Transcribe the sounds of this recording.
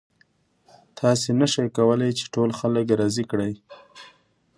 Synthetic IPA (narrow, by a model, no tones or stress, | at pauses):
t̪ʰɑsenaʃəjkawəlajt͡ʃe̥ʈolxaləkɾɑzikɽəj